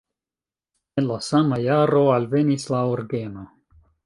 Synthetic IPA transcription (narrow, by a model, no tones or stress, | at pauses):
elasamajaːɾoalvenislaoɾɡena